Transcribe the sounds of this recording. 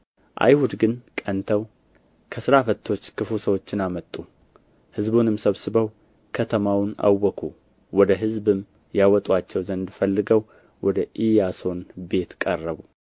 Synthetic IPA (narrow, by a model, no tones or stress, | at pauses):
ʔa̰jhud̪ɡɨnkʼənt̪ʰəw | kʰəsɨɾafət̪ʰːo̞t͡ʃːkʰɨfusəwo̞t͡ʃːɪnamət̪ʼːu | hɨzbunɨmsəβsɨbəw | kʰət̪ʰəmawna̰wːɔkʰu | wɔd̪əɦɨzbɨm | jawɔt̪ʼwat͡ʃːɛwzənd̪fəlːɨɡəw | wɔd̪əʔijaso̞nbe̞t̪kʼərːəβu